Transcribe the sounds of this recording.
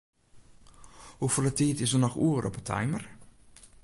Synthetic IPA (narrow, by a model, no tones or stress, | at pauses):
hufolətiːtɪsənɔχuːɾɔ̰pətʰa̰jmər